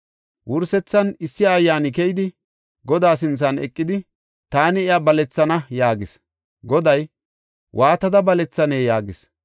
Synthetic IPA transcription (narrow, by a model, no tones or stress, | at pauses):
wʔʊɾsɛt͡sːɐnɪsːɪjaːjːaːnɪkɛjd̪ɪ | ɡɔd̪aːs̬ɪnt͡sːɐnɛ̰kʼːɪd̪ɪ | t̪aːnɪɪjabɐlɛt͡sːɐnɐjaːɡɪs | ɡɔd̪ɐj | wʔaːt̪ɐd̪ɐbɐlɛt͡sːɐneːjaːɡɪs